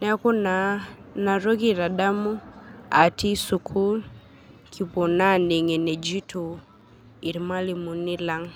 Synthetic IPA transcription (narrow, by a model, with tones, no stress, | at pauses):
na˦ko˦nana˨ɾo˦ki˦˨ɾa˨da˦mu˦a˨ti˦su˨kʰu˦l | kʰi˨po˨na˦ne˨ŋe˨nɛ˨d͡ʒi˦tu˨ | i˨ɾma˦li˨mu˨ni˦la˦ŋ